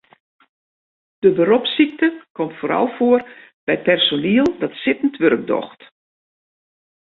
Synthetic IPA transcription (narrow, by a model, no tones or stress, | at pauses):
d̥əbəɾɔpsik̚təkɔmtfoːɾɔ̰lˠfoər | b̥ɛjt̚pɛrsoniəlˠdɔtsɪtən̩tʋørəɡ̚dɔ̰xt